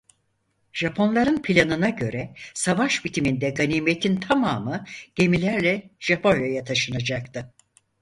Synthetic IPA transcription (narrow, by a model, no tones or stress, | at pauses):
ʒ̥apʰo̞nlˠaɾɯnpʰilʲanɯnaɟø̞ɾɛsavaʃbit̪ʰimind̪ɛɡaniːme̞t̪ʰint̪ʰamaːmɯɟ̥e̞milʲæɾlʲɛʒ̥apʰo̞nʲjojat̪ʰaʃɯnad͡ʒak̚t̪ʰɯ